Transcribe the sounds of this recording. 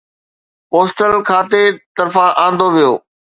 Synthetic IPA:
poːsʈəlkʰaːt̪et̪ɐɾfãʔãːnd̪oʋijo̰ː

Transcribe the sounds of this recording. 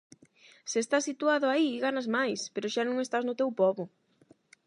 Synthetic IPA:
sest̪asit̪uaðʊaiːɣanazmajspeɾʊʃanõŋest̪aznʊt̪ewpɔβʊ

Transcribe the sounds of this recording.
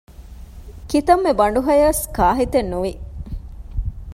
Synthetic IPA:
kit̪ɐmːebɐɳ̆ɖuɦɐjɐskaːɦit̪enːuʋi

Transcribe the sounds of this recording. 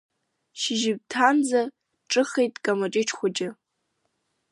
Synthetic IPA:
ʃɪʒɪb̚tʰand͡za | ʈ͡ʂʼɨχejtʼkʼamaʈ͡ʂʼɪʈ͡ʂʰχʷʊd͡ʒʼɪ

